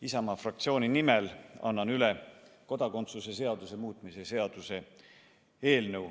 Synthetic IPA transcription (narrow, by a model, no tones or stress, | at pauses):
isɑmɑfrɑk̚t̪sioːnʲinimelɑ̰nːɑnyleko̞d̪ɑko̞nt̪suse̞se̞ɑd̪̥use̞muːt̪ːˑmise̞se̞ɑd̪̥use̞ | e̞ːlnəw